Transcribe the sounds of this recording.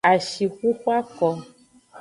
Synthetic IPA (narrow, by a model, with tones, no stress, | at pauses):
a˨ʃi˨xu˦xu˦a˦kɔ˨